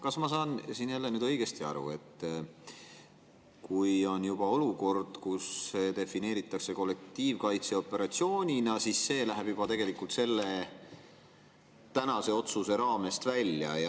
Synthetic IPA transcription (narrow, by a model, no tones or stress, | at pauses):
kɑsmɑsɑːnsinjælːenyːd̪ɤ̞jɡ̥e̞st̪iɑ̰ɾṵe̞t̪ː | kujo̞njub̥ɑo̞luko̞rd̪̥kusːet̪e̞fine̞ːɾit̪ːˑɑkse̞ko̞lːe̞k̚t̪ːiːvkɑjt̪se̞o̞pːˑe̞ɾɑt̪sio̞ːnʲinɑsisːe̞ːlæɦeb̥jub̥ɑt̪e̞ɡ̥e̞likult̪se̞lːe̞ | t̪ænɑse̞o̞t̪suse̞ɾɑːme̞st̪vælʲːjɑ̰jɑ